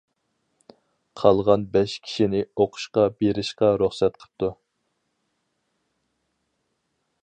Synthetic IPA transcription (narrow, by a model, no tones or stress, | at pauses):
qʰɑlˠʁɑnbɛʃkʲʰi̥ʃinɪoqʰʊ̥ʃqɑbeɾɪʃqɑɾuχsɛt̪̚qʰə̥p̚t̪ʰu